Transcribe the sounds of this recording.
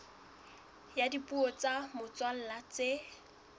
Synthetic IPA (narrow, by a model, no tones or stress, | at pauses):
jadipʼuɔt͡sʼamʊt͡sʼwal̩lat͡se